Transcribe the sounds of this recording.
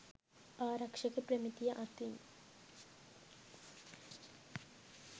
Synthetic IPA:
aːɾɐkʂɐkːepɾɐmit̪ijɐʔɐt̪in

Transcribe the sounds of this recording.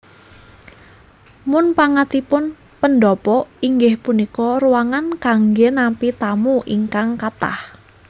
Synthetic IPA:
mʊnpaŋat̪ipʊn | pənɖɔpɔiŋɡɪhpunikɔruwaŋankaŋɡenampit̪amuʔiŋkaŋkat̪a̰h

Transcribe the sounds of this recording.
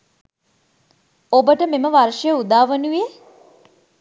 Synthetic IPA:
obəʈəmeməʋarʂəjəud̪aːʋənuʋe

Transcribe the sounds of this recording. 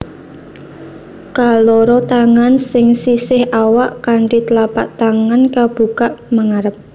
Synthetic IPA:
kalɔɾɔt̪aŋansɪŋsisɪhʔawaʔkaɳɖit̪əlapaʔt̪aŋankab̥ṳkaʔməŋaɾəp̚

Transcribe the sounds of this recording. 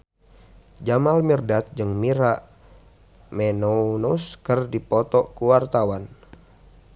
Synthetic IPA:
d͡ʒamalmirdat̪̚d͡ʒɨŋmiɾaʔ | mɛnonuskɨrdipɔt̪ɔkuwart̪awan

